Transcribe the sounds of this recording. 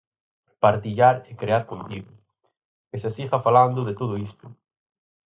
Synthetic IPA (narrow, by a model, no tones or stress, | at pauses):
paɾt̪iʎaɾekɾeaɾkont̪iɣʊ | esasifafaland̪ʊðet̪oðʊist̪ʊ̥